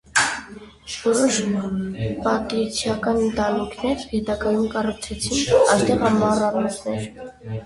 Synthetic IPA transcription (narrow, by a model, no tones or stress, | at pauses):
vɔɾɔʃ | pɑt̪it͡sʰjɑkɑnənt̪ɑnikʰnɛɾhɛt̪ɑɡɑjumkɑrukʰt͡sʰɛt͡sʰinɑjst̪ɛʁɑmɑrɑrmɔsʰnɛɾ